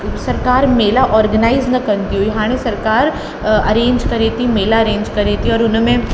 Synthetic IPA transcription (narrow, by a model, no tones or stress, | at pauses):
sɐɾkaːɾmeːlaʔɔːɾɡənaːɪznɐkɐɾnt̪iɦoiɦaːɽ̃ẽsɐɾkaːɾ | ɐ̰ɾẽːɲd͡ʒkɐɾet̪imeːlaɐɾẽːɲd͡ʒkɐɾet̪iɔːɾʊnmẽ